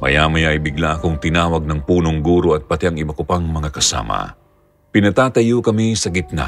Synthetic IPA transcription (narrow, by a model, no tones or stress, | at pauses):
mɐ̰jamɐjaʔɐjbɪɡlaʔɐkoŋt̪ɪnaːwɐɡ̚nɐŋpuːno̞ŋɡuːɾo̞ɐt̪̚pɐt̪ɛʔɐŋɪbɐkopɐŋmɐŋakɐsa̰ːmɐ̰ | pɪnɐt̪aːt̪ɐjokɐmisɐɡɪt̪̚na̰